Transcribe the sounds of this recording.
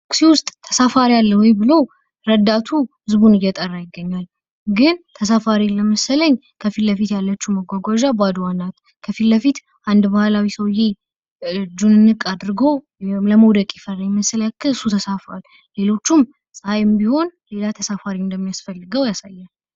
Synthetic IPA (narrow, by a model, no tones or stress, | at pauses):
ksiwʊst̪ʼt̪ʰːə̥safaɾialːəwɔjbɨlow | ɾəd̪at̪ʰuhɨzbunɨjɛt̪ʼərːajɪɡːəɲːal | ɡɨnt̪ʰəsafaɾiləməsələɲ | kʰəfilləfit̪jalːət͡ʃːuməɡʷaɡʷaʒabad̪uwanːat̪ | kʰəfilːəfit̪ | ʔand̪bahlawisəwjɛ | d͡ʒunɨnːɨkʼad̪ɾɨɡo̞ | ləmowd̪əkʼjɪfəɾəɲməsəljakʰːɨɨsut̪ʰəsafa̰lː | e̞lo̞t͡ʃːum | sʼhajɨmbiho̞nle̞lat̪ʰəsafaɾind̪əmːijasfəlːɨɡəwjasajːal